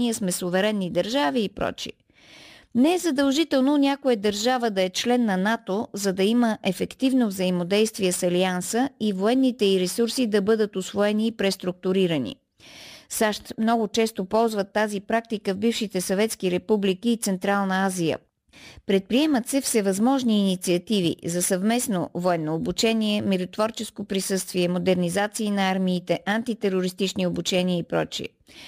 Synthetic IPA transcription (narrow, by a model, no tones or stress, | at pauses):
iəsmɛsovɛɾɛnːid̪əɾʒaviːpɾɔ̰t͡ʃḭ | nɛɛzɐd̪ɐlˠʒit̪ɛlˠnonʲakojəd̪əɾʒavəd̪ɐɛt͡ʃlɛnːɐnat̪ozɐd̪ɐiməʔɛfɛkt̪ivnovzəimod̪ɛjst̪viɛsɐliansəivoɛnːit̪ɛiɾɛsuɾsid̪ɐbɤd̪ət̪osvoɛniːpɾɛst̪ɾʊk̚t̪ʊɾiɾənḭ | saʃt̪mnɔɡʊt͡ʃɛst̪opɔlˠzvət̪ːazipɾak̚t̪ikəvbifʃit̪ɛsɐvɛt̪skiɾɛpublikiːt̪sɛnt̪ɾalˠnəazijə̰ | pɾɛt̪̚pɾiɛmət̪sɛfsɛvɐzmɔʒniːnit̪siɐt̪ivḭzɐsɐvmɛsno̰voɛnːoːbut͡ʃɛniɛmɛɾʊt̪vɔɾt͡ʃɛskopɾisɤst̪viɛmod̪ɛɾnizat̪siːnɐaɾmiːt̪ɛʔant̪it̪ɛɾoɾist̪it͡ʃniobut͡ʃɛniəipɾɔt͡ʃiɛ̰